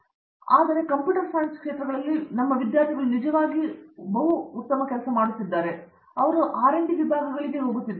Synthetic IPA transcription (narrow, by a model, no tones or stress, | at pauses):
aːd̪ɐɾe̞kɐmpjuːʈɐɾsɐjnskʂe̞ːt̪ɾɐd̪ɐlːinɐmːɐʋid̪jaːɾt̪ʰiɡɐɭunid͡ʒɐʋaːɡibɐɦuːt̪ːɐmɐkɛlɐsɐmaːɽut̪ːid̪ːaːɾe | ɐʋɐɾuʔaːɾeɳɖiʋibʱaːɡɐɡɐɭiɡe̞ɦo̞ːɡut̪ːid̪e